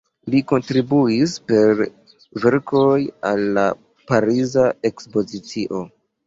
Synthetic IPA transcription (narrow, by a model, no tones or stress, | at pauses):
liko̞ntɾibuispe̞ɾ | ve̞ɾkojalːa | paɾizae̞kspo̞zit͡siʔo̞